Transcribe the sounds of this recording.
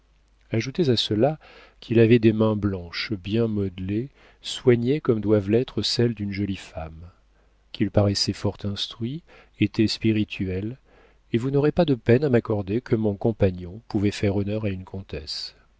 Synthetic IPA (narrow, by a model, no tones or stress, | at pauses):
aʒut̪ezasəla | kʰilavɛd̪emɛ̃blɑ̃ʃbjɛ̃mɔd̪le | swaɲekɔmd̪wavlɛt̪χəsɛld̪ynʒɔlifam | kʲʰilpaʁɛsɛfɔʁt̪ɛ̃st̪χɥi | et̪ɛspiʁit̪ʰyɛl | evunɔʁepad̪əpɛnamakɔʁd̪ekʰəmɔ̃kɔ̃paɲɔ̃puvɛfɛʁɔnœʁaynkɔ̃t̪ɛs